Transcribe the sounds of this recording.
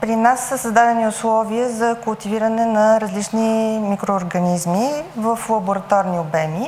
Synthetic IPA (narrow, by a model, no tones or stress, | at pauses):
pɾinasːəsəzd̪ad̪ɛniʊslˠɔviəzɐkʊlˠt̪iviɾənɛnɐɾɐzlit͡ʃnimikɾoːɾɡɐnizmivəflˠɐbʊɾɐt̪ɔɾniʊbɛmi